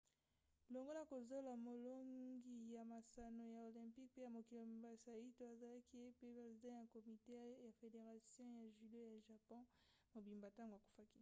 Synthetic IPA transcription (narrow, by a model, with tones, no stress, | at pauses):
lo˨ŋɡo˦na˨ko˨zo˦la˨mo˨lo˦ŋɡi˨ja˨ma˨sa˨no˨ja˨o˨lɛ̃˨pi˦k̚pe˦ja˨mo˨ki˨lo˨m˨ba˨sa˨ja˨i˦to˨a˨za˨la˦ki˦je˦pe˦pʁe˨zi˨dɑ̃˦ja˨ko˨mi˨te˦ja˨fe˨de˨ʁa˨sjɔ̃˦ja˨ʒy˨do˦ja˨ʒa˨pɔ̃˦ | mo˨bi˨mba˨ta˦ŋɡo˨a˨ku̥˨fa˦ki̥˦